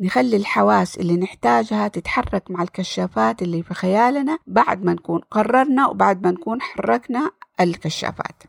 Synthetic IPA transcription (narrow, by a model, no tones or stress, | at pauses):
nɪxalːilħawaːsʔɪ̰lːinɪħt̪aːd͡ʒhat̪ɪt̪ħɑrˤːɑkmaʕalkaʃːaːfaːt̪ʔɪlːiːfixajaːlnabaʕd̪manakuːnqɑrˤːɑɾˤnawbaʕd̪manakuːnħɑrˤːɑɡnaalkaʃːa̰ːfa̰ːt̪